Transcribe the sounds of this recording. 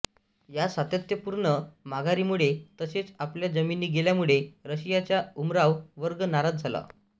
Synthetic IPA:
jasat̪jət̪jəpuɾɳəmaɡaɾimuɭet̪əset͡sapljad͡zəminːiːɡeljamuɭeɾəɕijat͡ɕjaumɾaʋʋəɾɡənaɾat̪̚d͡zʱala̰

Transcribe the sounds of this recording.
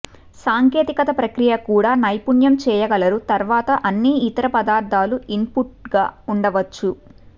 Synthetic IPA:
saːŋkeːt̪ikɐt̪ɐpɾɐkɾijɐkuːɽaːnɐjpuɳjɐmt͡ʃɛːjɐɡɐlɐɾut̪ɐɾʋaːt̪ɐʔɐnːiːit̪ɐɾɐpɐd̪aːɾd̪ʱaːluimpuʈ̚ɡaːuɳɖɐʋɐt͡ʃːu

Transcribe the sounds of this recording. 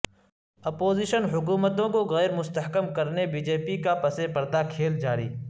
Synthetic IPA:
ɐpoːziːʃənɦʊk̬uːmət̪õkoɣɛːɾmʊst̪əɦkəmkɐɾnebiːd͡ʒeːpikapɐsepɐɾd̪akʰeːld͡ʒaːɾḭː

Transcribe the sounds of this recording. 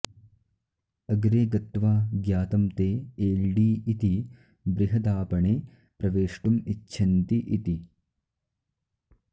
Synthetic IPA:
ɐɡɾeːɡɐt̪ʋaːɡjaːt̪ɐmt̪eːeːɭɖiːit̪i | bɾiɦɐd̪aːpɐɳeː | pɾɐʋeːʂʈumitːʃʰɐnt̪iʔit̪i

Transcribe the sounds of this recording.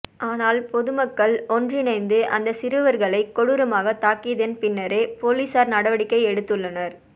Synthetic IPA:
ʔaːnaːlpɔðɯmɐkːɐɭɔndrɪnɐɪnd̪ɯʔɐnd̪ɐsɪɾɯʋɐɾɣɐɭɐɪkːɔɽɯɾɐmaːɣɐt̪ːaːkːɪɐðenpɪnːɐɾeːpoːliːsaːɾnɐɽɐʋɐɽɪkːɐɪɛɽɯt̪ːɯɭːɐnɐɾ

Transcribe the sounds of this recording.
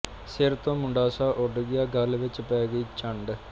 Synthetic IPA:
seːɾt̪ːõmuɳɖaːsaːʔoɽuɡɪjaɡɐlʋɪt͡ɕːpɛːɡɐit͡ɕɐɳɖɨ

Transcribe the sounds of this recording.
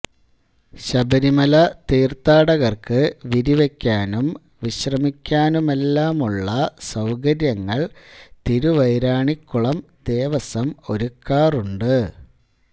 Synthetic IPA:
ɕɐbɐɾimɐlɐt̪iːrt̪aːɽɐɣɐrkɨʋiɾiʋekʲːaːnum | ʋiɕrɐmikʲːaːnume̞lːaːmuɭːɐsɐwkɐɾjɐŋːɐɭt̪iɾuʋɐjɾaːɳikːuɭɐmd̪̥e̞ːʋɐsɐmo̞ɾukːaːruɳɖɨ

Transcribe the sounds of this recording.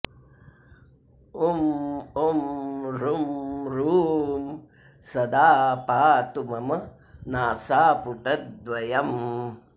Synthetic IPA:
umomɾumɾuːm | sɐd̪aːpaːt̪umɐm | naːsaːpuʈɐt̪̚d̪ʋɐjɐm

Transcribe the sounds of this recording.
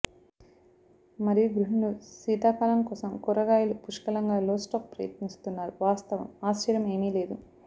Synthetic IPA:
mɐɾijuɡɾuɦinusiːt̪aːpaːlɐmkɔːsɐmkuɾɐɡaːjilupuʂkɐlɐŋɡaːloːsʈoːk̚pɾɐ̰jɐ̰t̪nist̪unːaːɾuʋaːst̪ɐʋɐ̰maːst͡ʃɐɾjɐme̞ːmiːle̞ːd̪u

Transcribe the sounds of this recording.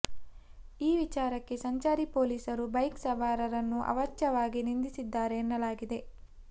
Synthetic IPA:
iːʋit͡ʃaːɾɐkːe̞sɐɲt͡ʃaːɾipoːliːsɐɾubɐjksɐʋaːɾɐɾɐnːuʔɐ̰ʋɐt͡ʃːjɐʋaːɡinind̪isid̪ːaːɾe̞ːnːɐlaːɡid̪e̞

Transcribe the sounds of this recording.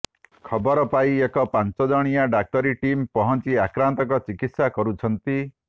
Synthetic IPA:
kʰɔbɔɾɔpaiekɔpant͡ʃɔd͡ʒɔɽ̃ijaɖak̚ʈɔɾiʈimpɔɦɔnt͡ʃiakɾant̪ɔkɔt͡ʃikit̪sakɔɾut͡ʃʰɔnt̪i

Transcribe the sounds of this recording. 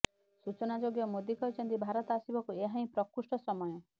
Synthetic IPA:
sut͡ʃɔnad͡ʒoɡjɔmod̪ikɔɾit͡ʃʰɔnt̪ibʱaɾɔt̪asibɔkueɦãĩpɾɔkusʈɔsɔmɔjɔ

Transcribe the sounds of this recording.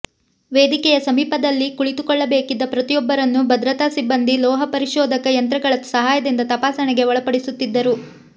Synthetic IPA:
ʋeːd̪ikɛjɐsɐmiːpɐd̪ɐlːikuɭit̪ukɔɭːɐbe̞ːkid̪ːɐpɾɐt̪ijɔbːɐɾɐnːubʱɐd̪ɾɐt̪aːsibːɐnd̪ilɔːɦɐpɐɾiʃɔːd̪ʱɐkɐjɐnt̪ɾɐɡɐɭɐsɐɦaːjɐd̪ind̪ɐt̪ɐpaːsɐɳɛɡe̞ʋɔɭɐpɐɽisut̪ːid̪ːɐɾu

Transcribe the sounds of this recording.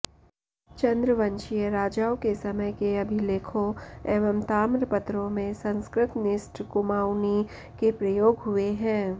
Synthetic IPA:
t͡ʃɐ̃nd̪ɾəʋɐ̃nʃijəɾaːd͡ʒaːwkesɐməjkeɐbʱileːkʰõeːʋəmt̪aːmɾpɐt̪ɾõmẽsɐ̃nskɾɪt̪nɪsʈʰkʊmaːwni | kepɾɐjoːɡɦʊeɦɛ̃ː

